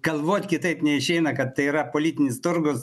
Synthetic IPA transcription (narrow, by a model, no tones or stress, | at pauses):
ɡ̥ɐlˠʋoːt̪ʲkʲɪt̪ɐɪpnʲɛɪʃʲɛɪnɐkɐt̪tːɐɪiɾɐpoːlʲiːt̪ʲɪnʲɪst̪ʊrɡʊs